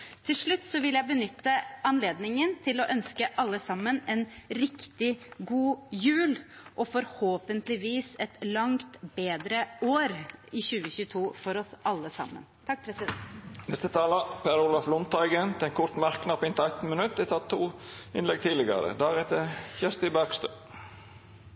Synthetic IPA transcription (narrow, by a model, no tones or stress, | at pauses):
t̪ʰɪlʂɭʉt̪ːsɔʋɪləjæɪbənʏt̪ːəɑnleːd̪nɪŋənt̪ʰɪlɔʔœnskəʔɑlːəsɑmːənɛnɾɪkt̪ɪɡuːjʉːlʔɔfɔɾhoːpənt̪lɪʋiːsɛt̪lɑŋt̪beːd̪ɾəoːɾɪçʉːəçʉːt̪ʰuːfɔɾɔsɑlːəsɑ̰mːə̰nt̪ʰɑk̚ːpʰɾɛsɪd̪ɛnnɛst̪ət̪ʰɑːlɑpʰeːɾʊlɑflʊnt̪ʰːɑɪɡənt̪ʰɛɛnkʰʊɾt̪mɑʁknɑpɪnt̪æɪt̪n̩mənʉt̪d̪ɛt̪ʰɑt̪ʰːuː | ɪnlɛɡ̚t̪ʰiːlɪɡɑ̰ɾə̰d̪æːʁɛt̪əçɛst̪ɪbæʁɡst̪øː